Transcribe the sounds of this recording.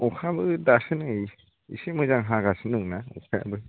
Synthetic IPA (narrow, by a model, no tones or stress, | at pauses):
ɔkʰabɯdasɯnɯj | ḭsimɯjzaŋɦaɡasɯnɯŋnaɔ̰kʰajabɯ